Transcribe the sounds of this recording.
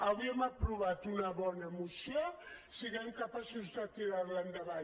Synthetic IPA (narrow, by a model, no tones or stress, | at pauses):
awiɛmapɾuβat̪unəβɔnəmusio | siɣɛmkapasuzdat̪iɾaβland̪əβa